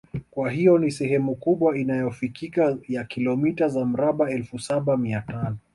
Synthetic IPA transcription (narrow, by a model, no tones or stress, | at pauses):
kwaɦijɔnisɛɦɛmukuɓwainajɔfikikajakilɔmitazam̩ɾaɓaɛlfusaɓamiatanɔ